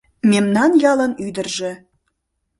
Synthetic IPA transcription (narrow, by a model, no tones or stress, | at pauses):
memnɑnjɑlˠɤ̆nyd̪ə̆rʒĕ